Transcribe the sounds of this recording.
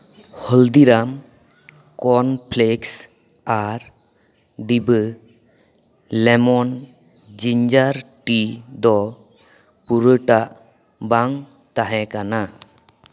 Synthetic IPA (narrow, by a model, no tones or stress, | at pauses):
hɔld̪iɾam | kɔnpʰleks | aɾ | ɖibə | lɛmɔn | d͡ʒiɲd͡ʒaɾʈid̪ɔ | puɾəʈaʔ | baŋ | t̪aɦɛkana